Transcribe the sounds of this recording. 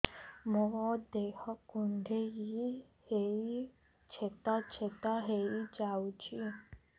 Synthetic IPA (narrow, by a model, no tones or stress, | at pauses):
mɔ̃d̪ekʰɔkuɳɖʱeji | hei | t͡ʃʰet̪at͡ʃʰet̪aɦeid͡ʒawt͡ʃʰi